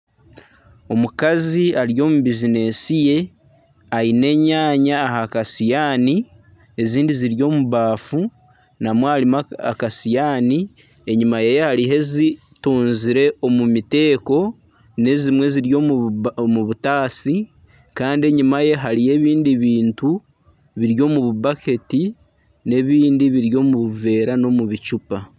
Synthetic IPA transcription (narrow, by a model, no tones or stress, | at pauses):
o̞mukaziaɾjo̞ːmuβizine̞sije̞ | aine̞ːɲaːɲaːɦakasijaːni | e̞ziːndiziɾjo̞ːmuβaːfu | namwaɾimaa̰kasijaːni | e̞ɲimajejehaɾiɦe̞zi | tuːnziɾe̞ʔo̞mumite̞ːko̞ | ne̞zimwe̞ziɾjomuβutaːsi | kaːndie̞ɲimaje̞ɦaɾije̞βiːndiβiːntu | βiɾjo̞ːmuβuβake̞ti | ne̞βiːndiβiɾjo̞ːmuβuve̞ːɾano̞muβit͡ʃupa